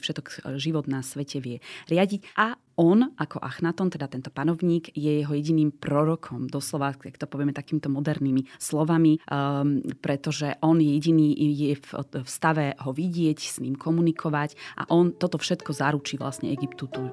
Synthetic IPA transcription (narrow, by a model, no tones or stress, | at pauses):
fʃɛt̪ɔkʒiʋɔd̪nasʋɛcʰɛʋɪɛɾɪaɟicʔa | ʔɔnʔakɔʔaxnat̪ɔnt̪ɛd̪at̪ɛnt̪ɔ̥panɔʊɲiːɡjɛjɛɦɔjɛɟiniːmpɾɔɾɔkʰɔmd̪ɔslɔʋaakt̪ɔpɔʋɪɛmɛt̪akiːmit̪ɔmɔd̪ɛɾniːmislɔʋami | pɾɛt̪ɔʒɛʔɔnjɛjɛɟiniːʔjɛffst̪aʋɛɦɔʋiɟɪɛcsɲiːmkʰɔmunikʰɔʋacʔa̰ʔɔnt̪ɔt̪ɔfʃɛt̪kɔzaɾut͡ʃiːʋla̰sɲɛɛɡipt̪ut̪u